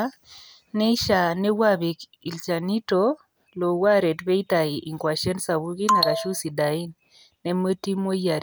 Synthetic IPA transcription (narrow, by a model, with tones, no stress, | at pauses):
nɛ˦iʃanɛ˦waβi˨k | i˨lt͡ʃanitɔ | lo˨waɾɛ˨tβɛ˦itaiʔiŋkwa˨ʃɛ˦nsaβuɣi˦na˨ɾaʃu˦si˨dainː | ɛ˦mə˦ti˦mo˦jaɾ